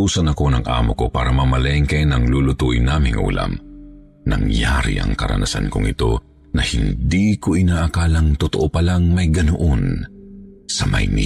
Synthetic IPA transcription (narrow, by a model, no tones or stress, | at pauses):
uːsɐnɐko̞nɐŋʔa̰ːmoko̞pa̰ːɾɐmɐmɐlɛŋkɐjnɐŋlulʊt̪uʔɪnaːmɪŋʔṵːlɐ̰m | nɐ̰ŋjaɾɪ̰ʔɐ̰ŋkɐɾɐ̰nɐsa̰nko̰ŋɪt̪o̞̰ | nɐhɪnd̪iko̞ʔɪnaːʔɐkaːlɐŋt̪ot̪oʔopɐlaŋmɐjɡɐnoʔon | sɐmɐjni